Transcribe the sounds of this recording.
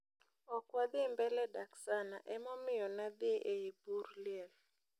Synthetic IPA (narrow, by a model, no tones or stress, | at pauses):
ɔkwad̪ɪmbɛlɛdaksanaʔɛmɔmɪjɔnad̪ɪʔeeburlɛl